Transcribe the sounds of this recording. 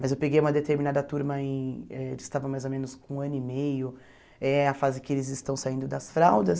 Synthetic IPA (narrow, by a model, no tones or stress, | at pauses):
mɐzewpeɡejũmɐd̪et̪eɾminad̪ɐt̪uɾmɐẽɛd͡ʒɪst̪avɐ̃majzomẽnʊskõɐ̃nʊimejʊ | ɛɐfazɪkɪelɪzɪst̪ɐ̃w̃saĩnd̪ʊd̪ɐsfɾawd̪ɐs